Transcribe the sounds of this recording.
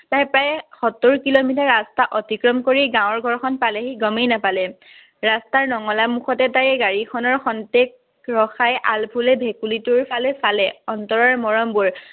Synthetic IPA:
tajpɹajxɔtːoɹkilomitaɹastaʔɔtikɹɔmkoɹiɡãw̃ɔɹɡʱɔɹkʰɔnpaleɦiɡɔmejnapalɛ | ɹastaɹnɔŋɔlamuxɔtɛtajɡaɹikʰɔnɔɹxɔntek̚ | ɹɔxajʔalpʰulɛbʱekulituɹpʰalɛsalɛɔntɔɹɔɹmɔɹɔmbuɹ

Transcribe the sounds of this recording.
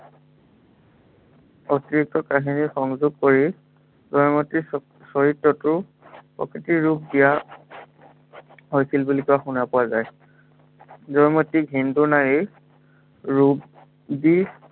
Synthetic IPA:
otiɹik̚tɔkaɦinixɔŋzuɡ̚koɹi | zɔjmɔti | sɔɦitːɔtʊɹ | pɔ̰kitiɹub̚dija | ɦojsilbulikuaxunapʊazaj | zɔjmɔtːikɦinduɹnaɹi | ɹub | di

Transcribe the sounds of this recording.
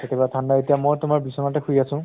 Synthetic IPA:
etʰebatʰanːaetijamɔjtʊmaɹbisɔnatakʰujasʊ̃

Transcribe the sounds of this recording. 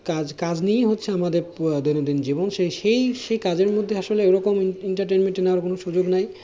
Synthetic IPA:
kad͡ʑkad͡ʑnijeɦotːɕʰeamad̪eɾd̪ojnod̪ind͡ʑibonʃeʃejʃejkad͡ʑeɾmod̪ʱːeaʃoleɛwɾɔkomiɳʈaɾʈenmenʈenaaɾkonoʃud͡ʑoɡnaj

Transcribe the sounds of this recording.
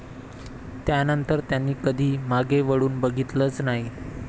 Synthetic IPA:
t̪janənt̪əɾt̪janːiːkəd̪ʱiːmaɡeʋəɽuːnbəɡʱit̪ləːt͡snaɦi

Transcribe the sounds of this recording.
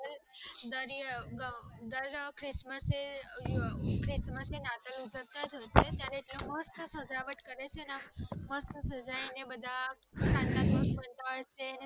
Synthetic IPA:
əld̪əɾjɡəd̪əɾkɾisməse | kɾisməsenat̪əlud͡zəɾt̪ad͡zoset̪jaɾit̪ləməsk̪əsəd͡zaʋəʈkəɾat͡sʰenaməsk̪əsəd͡zainebəd̪ʱa | sãnt̪anmospənt̪əaɭsen

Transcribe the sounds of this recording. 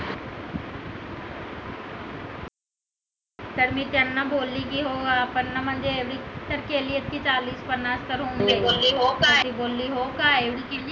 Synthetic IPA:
t̪ɐɾmĩt̪ɐnːaboːliɡiɦoːɡaːpɐɾnɐmɐ̃nd͡ʒeeʋɽit̪ɐɾkeːlijət̪̚kit͡ʃaːliːspɐnaːst̪ɐɾɦõːneːoːliɦoːkat̪iboːlːiɦoːkaːeʋɽiki

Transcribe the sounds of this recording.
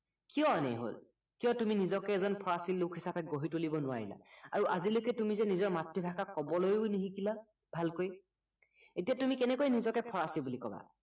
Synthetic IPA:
kijɔnɛ̰ɦo̰l | kijɔtuminizɔkɛːzɔnpʰɔɹasilːukʰɦisapɛɡoɦitolibɔnʊwa̰ɹḭla̰a̰ɹuʔazilokɛtumizɛnizɔɹmatːibʱakakɔbɔlojʊniɦikila | b̥ʱalkoj | etijatumikɛnɛkojnizɔkɛpʰɔɹasibulikɔba̰

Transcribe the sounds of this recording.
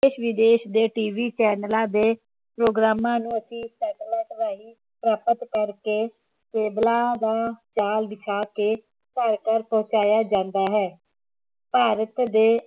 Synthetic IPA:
eʃʋɪd̪eːʃd̪eːʈiːʋiːt͡ʃɛːnəlãːd̪eː | pɾoːɡɾaːmãːnũːəsĩːsɛːʈlɛːʈ̪ɾaːiː | pɾaːpət̪kəɾkeː | keːblãːd̪aːt͡ʃaːlb̪ɪt͡ʃʰaːkeː | kəɾkəɾpɔ̃ːt͡ʃaːjaːd͡ʒãːnd̪aːɦɛː | paːɾət̪d̪eː

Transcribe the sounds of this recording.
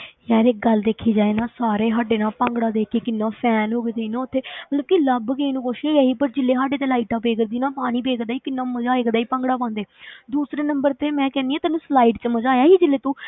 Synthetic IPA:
jɛːɾek̚ɡəld̪eːkʰiːd͡ʒaːeːnaːsaːɾeːɦaɖeːnãːpə̃ːŋɡɽaːd̪eːkeːkɪnːãːpʰɛːnɦoːɡet̪eiːnãːʊt̪ʰːeːmmət̪ləb̚kiləbkeinũːkoʃeːɛːɦiːpəɾd͡ʒɪlːeːɦaːɖeːt̪̬eːlaːiʈaːpeːkəɾd̪iːnãːpaːɽ̃ĩːpeːkd̪aːiːkɪnːãːməd͡ʒaːekd̪aːiːpə̃ŋɡɽaːp̬ãːnd̪eːd̪uːsɾeːnəmbəɾt̪eːmɛ̃ːkɛːnd̪iːãːt̪ɛːnːũːslaːiːʈt͡ʃəməd͡ʒaːjaːɦiːd͡ʒɪlːeːt̪ũː

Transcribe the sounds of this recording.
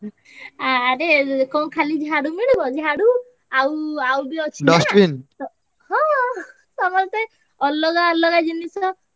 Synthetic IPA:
aːɾekɔkʰalid͡ʒɦaɽumiɽibɔd͡ʒeɦaɽu | awawbiɔt͡ʃʰidɔsbinɔ | ɦɔ̃ | sɔmɔst̪e | ɔlːɔɡaɔlːɔɡad͡ʒinisɔ

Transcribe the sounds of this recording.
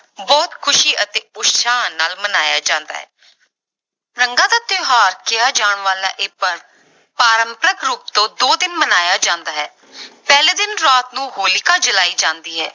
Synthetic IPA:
bɔːt̪kʰʊʃiːʔət̪eːʊʃʃaːnaːlmənaːjaːd͡ʒãːnd̪a̰ːɦɛ̰ː | ɾəŋɡãːd̪aːt̪ɪɦaːɾkɪaːd͡ʒaːɳʋaːla̰ːʔeːpəɾ | paːɾəmpəɾəkɾuːp̚t̪õːd̪oːd̪ɪnmənaːjaːd͡ʒãːnd̪aːɦɛː | pɛːleːd̪ɪnɾaːt̪nũːɦoːlɪkaːd͡ʒəlaːiːd͡ʒãːnd̪iːɦɛ̰ː

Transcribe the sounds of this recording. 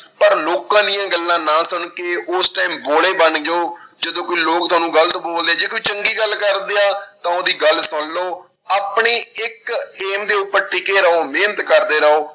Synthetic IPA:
pəɾloːkãːd̪ɪjãːɡəlːãːnãːsʊɳkeːʔʊsʈaːmboːleːbəɳd͡ʒaoːd͡ʒəd̪õːkoiːloːk̚t̪ʊaːnũːɡələt̪boːld̪eaːd͡ʒeːkoiːt͡ʃəŋɡiːɡəlkəɾd̪eːaːt̪ãːoːd̪iːɡəlsʊnloː | aːpɳeːɪkeːmd̪eːʊpːəɾʈɪkeːɾəoːmeːnət̪kəɾd̪eːɾəoː

